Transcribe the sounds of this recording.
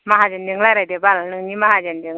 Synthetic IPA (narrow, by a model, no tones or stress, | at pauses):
maɦad͡ʒandiŋlaɾad̪ebalanɯŋɲimaɦad͡ʒandiŋ